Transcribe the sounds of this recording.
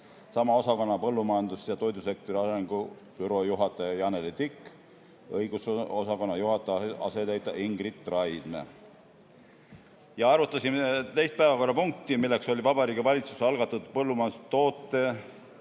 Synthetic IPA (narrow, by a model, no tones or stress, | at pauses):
sɑmɑo̞sɑko̞nːɑpɤlːumɑjɑnd̪usjɑt̪o̞jd̪use̞k̚t̪o̞ɾiɑɾeŋɡ̥u | pyɾo̞juɦɑt̪ːˑejɑjɑnelet̪ikː | ɤjɡ̥uso̞sɑko̞nːɑjuɦɑt̪ːˑeɑ̰se̞t̪æjt̪ːˑɑʔiŋɡrit̪ːrɑjd̪̥mḛ | jɑɑɾut̪ːˑɑsimt̪e̞jst̪̚pæevɑko̞rːɑpuŋk̚t̪imilːe̞kso̞lʲivɑbɑɾiːɡivɑlʲit̪su̥seɑlɡ̥ɑt̪ːˑud̪̥pɤlːumɑjɑnd̪ut̪ːo̞ːt̪ːˑe̞